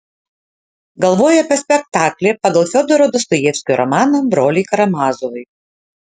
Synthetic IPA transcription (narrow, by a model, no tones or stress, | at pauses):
ɡɐlˠʋoːjɛɐpʲɛsʲpʲɛk̚t̪ɑːkʲlʲeːpɐɡɐlˠfʲɔd̪ɔɾoːd̪ɔst̪ɔjɛːfʲsʲkʲɔɾɔmɑːnɐbɾoːlʲɪkɐɾɐmɑːzoʋʊɪ